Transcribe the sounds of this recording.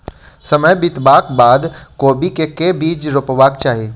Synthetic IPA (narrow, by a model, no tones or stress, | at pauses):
sɐməjbɪt̪baːkbaːd̪koːbikekebiːd͡ʒɾʊpʋaːkt͡ʃaːɦeː